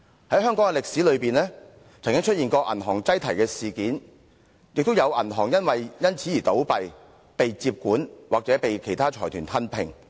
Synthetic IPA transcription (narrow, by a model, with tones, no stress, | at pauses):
hɐ˨˥jɦœː˥ŋkɔː˨˥ŋkɛ˨lɪ˨k̚si˨˥lɵ˨˧ɥpiː˨˩nlɛː˥ | t͡sʰɐ˨˩ŋkɪ˥ŋt͡ʃʰɵ˥t̚iː˨nkɔː˧ʔɐ̰˨˩nɦɔː˨˩ŋt͡sɐ˥jt̪ʰɐ˨˩jkɛː˧siː˨kiː˨˥n | jɪ˨k̚t̪o˥wjɐ˨˧wʔɐ̰˨˩nɦɔː˨˩ŋjɐ˥nwɐ˨jjɐ˥nt͡sʰiː˨˥jiː˨˩t̪o˨˥wpɐ˨j | pe˨jt͡siː˧p̚kuː˨˥nwaː˨k̚t͡sɛː˨˥pe˨jkʰe˨˩jt̪ʰaː˥t͡ʃʰɔː˨˩t̪ʰyː˨˩nt̪ʰɐ˥npʰɪ˨˩ŋ